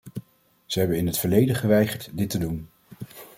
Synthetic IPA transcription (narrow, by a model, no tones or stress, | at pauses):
z̥əɦɛbənɪnɦətfəɹlejdəχəʋɛjχəɹtdɪtədun